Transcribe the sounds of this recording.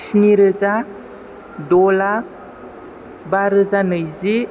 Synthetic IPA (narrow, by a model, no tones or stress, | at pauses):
siniɾəza | dɔla | baɾəzanəjzi